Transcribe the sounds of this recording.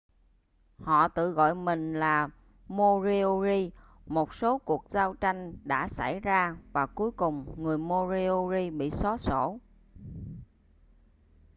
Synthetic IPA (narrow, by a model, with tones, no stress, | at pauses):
hɔ̰˧˨t̪ɨ̰˧˨ɣɔ̰˧˨jmï˨˩ŋ̟laː˨˩ | mo˧zi˧o˧zi˧ | mo˨˩t̚so˨˦ku˨˩ək̚zaː˧wt͡ɕa˧jŋ̟ɗa̰ː˧˥sa˧˩jzaː˧vaː˨˩ku˨˦əjkʊ˨˩ŋ͡mŋɨ˨˩əjmo˧zi˧o˧zi˧ɓḭ˧˨sɔ˨˦so̰˧˩